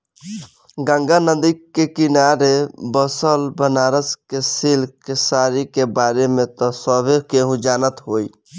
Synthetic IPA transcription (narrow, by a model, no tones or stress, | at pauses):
ɡãŋɡanəd̪ikːekinaɾebəsəlbənaɾəskesilkesaɾikebaɾemẽt̪ɔsəbʱekeɦũd͡ʒanət̪ɦoi